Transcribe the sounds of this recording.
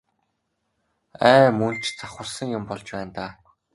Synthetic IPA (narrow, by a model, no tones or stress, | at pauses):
æːmun̥t͡ɕt͡saχʊ̆rsə̆ŋjʊmpɔɮt͡ɕpæːnt̪aː